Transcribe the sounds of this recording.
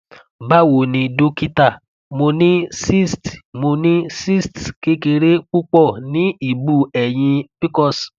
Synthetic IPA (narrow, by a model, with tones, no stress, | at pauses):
ba˦wo˨nĩ˧do˦ki˦ta˦˨ | mo˧nĩ˦si˦˨stmo˧nĩ˦si˦˨stke˨˦ke˧ɾe˦k͡pu˦k͡pɔ˦˨nĩ˨˦i˦˨bu˦˨ɛ˨j̃ĩ˧pi˦kɔ˦˨s